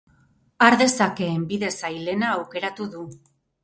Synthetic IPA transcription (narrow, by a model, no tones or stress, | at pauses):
aɾðe̞sake̞ːmbiðe̞sajle̞naːwke̞ɾat̪uðu